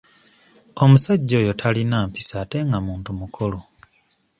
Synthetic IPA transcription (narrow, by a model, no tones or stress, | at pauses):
o̞musaɟːo̞ːjo̞tʰalinaːmpi̥saːte̞ŋɡamuːntumukʰo̞lo